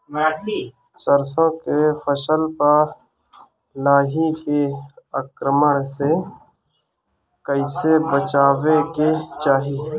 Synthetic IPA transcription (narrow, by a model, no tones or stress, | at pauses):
səɾsõkefəsəlpəɾ | laːɦikeəkɾəməɽ̃se | kəɪsebət͡ʃaːweket͡ʃaːɦi